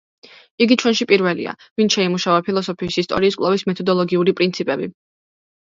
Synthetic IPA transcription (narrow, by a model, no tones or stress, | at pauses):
iɡit͡ʃʰwɛnʃipʼiɾvɛlḭa̰ | vinʃɛimuʃavapʰilˠɔsɔpʰiːsist̪ʼɔ̰ɾiːskʼlˠavismɛt̪ʰɔd̪ɔlˠɔɡiuɾipʼɾint̪sʰipʼɛbi